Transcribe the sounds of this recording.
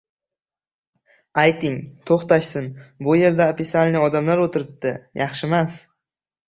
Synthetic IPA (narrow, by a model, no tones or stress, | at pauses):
ajt̪ʰɪŋt̪ʰoχt̪aʃsɪnbʊje̞ɾd̪aopisalʲnɪɒd̪amlaɾot̪ʰɪɾɪp̚d̪ɪjɑχʃɪmas